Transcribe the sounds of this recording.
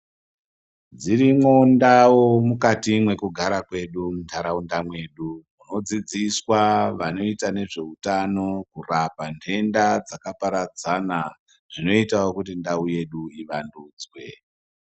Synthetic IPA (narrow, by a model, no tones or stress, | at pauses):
d͡ziɾimwondawomukatimwe̞kuɡʱaɾakwe̞ɗumuntʰaɾaundamwe̞ːɗumuno̞d͡zid͡ziswaʋano̞itane̞ʐe̞utano̞kurapantʰe̞ndad͡zakapaɾad͡zana | ʐ̥ino̞itao̞kutindauje̞ɗuiʋanduːd͡zwe̞̰